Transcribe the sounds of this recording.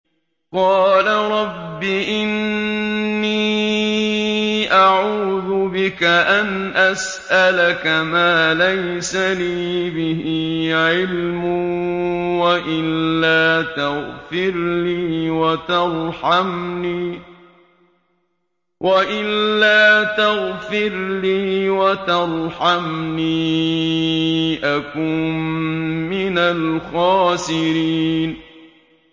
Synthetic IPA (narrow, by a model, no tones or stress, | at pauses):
qɑːlaɾˤɑbːɪʔɪnː | iː | ʔaʕuːðʊbɪkaʔanʔas | ʔalakamaːlajsaliːbɪhiːʕɪlmʊ | waʔɪlːaːt̪aɣfɪɾliːwat̪ɑɾˤħamniː | wʔaʔɪlːaːt̪aɣfɪɾliːwat̪ɑɾˤħamniː | ʔakʊːmː | ɪnalxɑːsɪɾiːn